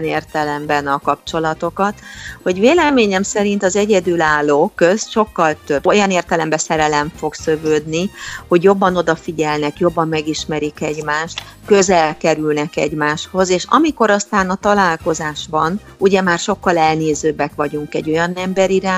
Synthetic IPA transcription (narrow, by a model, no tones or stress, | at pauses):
neːrt̪ɛlɛmbɛnɒkɒp̚t͡ʃo̞lɒt̪o̞kɒt̪ho̞ɟveːlɛmeːɲɛmsɛɾint̪ɒzɛɟɛd̪ylaːlːoːkøsʃo̞kːɒlt̪øbojɒneːrt̪ɛlɛmbɛsɛɾɛlɛɱfo̞ɡsøvøːd̪niho̞ɟjo̞bːɒno̞d̪ɒfiɟɛlnɛkjo̞bːɒmːɛɡiʃmɛɾikɛɟmaːʃt̪ | kø̞zɛlkɛɾylnɛkɛ̰ɟmaːʃho̞zeːʃɒ̰miko̞ɾɒst̪aːnɒt̪ɒlaːlko̞zaːʃbɒn | uɟɛmaːrʃo̞kːɒlɛlneːzøːbːɛkʋɒɟuŋkɛɟːo̞jɒnɛmbɛɾiɾaː